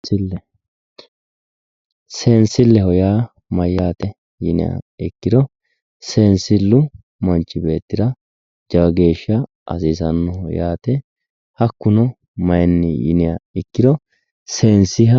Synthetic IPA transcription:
ɪlːɛ | seːnsɪlːɛhɔjaː | mɐjːaːt̪ɛ | jɪ̰nɪ̰jɐ̰ɪkːɪd̪ɔ | seːnsɪlːʊ | mɐnt͡ʃːɪbe̞ːt̪ːɪd̪ɐ | d͡ʒɐɡe̞ːʃːɐ | ʔɐ̰siːsɐnːɔhɔ̰jaːt̪ɛ | hɐkːʊnɔ | mɐjnːɪjɪ̰nɪjɐ̰ɪkːɪd̪ɔ | seːnsɪɦɐ

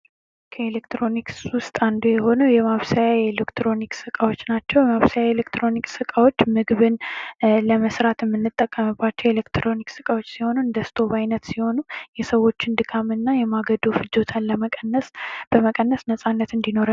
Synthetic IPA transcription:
kʰəelekt̪ɾo̞nikswʊst̪ʼand̪ujɛho̞nuwjɛmaβsajaelekt̪ʰɾo̞niksɨkʼawo̞t͡ʃːnat͡ʃːɛwjɛmaβsajaelekt̪ʰɾo̞niksɨkʼawo̞t͡ʃːmɨɡβɨnləməsɾat̪ʰjɛmːɨnːɨt̪ʼːəkʼːəmɨbːat͡ʃːɛwelekt̪ɾo̞niksɨ̥kʼawo̞t͡ʃːsiho̞nund̪əst̪ʰo̞bajnət̪siho̞nujɛsəwːo̞t͡ʃːɪnd̪ɨkʰamɨnːajɛmaɡəd̪ufɨd͡ʒot̪ʰanləmənːəsb̥əməkʼənːəsnəsʼanːət̪ɨnd̪ino̞ɾa

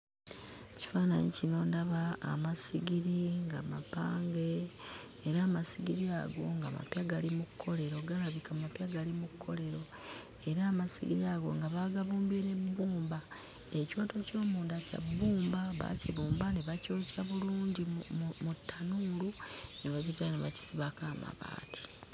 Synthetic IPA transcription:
ci̥faːna̰ɲicino̞ːndaβa̰ːmasiɡiɾiŋɡamapaːŋɡe̞ː | ɾaːmasiɡiɾiaɡo̞ŋɡa̰ma̰pjaɡalimukkʰːo̞le̞ɾo̞ɡaɾaβikamapjaɡalimukkʰːo̞le̞ɾo̞ | e̞ɾaːmasḭɡiɾiaɡo̞̰ŋɡaβaɡaβuːmbine̞buːmba | e̞ciwoːto̞co̞ːmuːndaca̰bːuːmbaβa̰ciβuːmbaneβacoːciaβuluːɲɟimmutʰːanuːluneβacizaneβaci̥siβakaːma̰βa̰ːtʰi̥

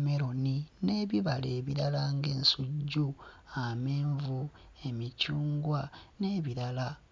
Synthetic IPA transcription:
meɾo̞nineːβiβaleːβiɾalaŋɡe̞ːnsuɟːuame̞ːɱvu | e̞micuːŋɡwane̞ːβiɾala

